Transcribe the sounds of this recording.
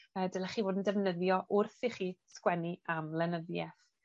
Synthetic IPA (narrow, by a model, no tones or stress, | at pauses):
əːdəlˠaχiːvoːdən̩dɛvnəðjɔʔʊrθiχiːskwɛniamlˠɛnəðjɛθ